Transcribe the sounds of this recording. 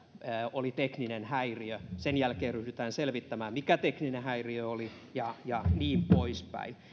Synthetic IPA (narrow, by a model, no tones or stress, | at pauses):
olit̪ekninenhæiriøsenjælkeːryhdyt̪æːnselʋit̪ːæmæːmmikæt̪ekninehæiriøoli | jɑjɑniːmpoispæ̰i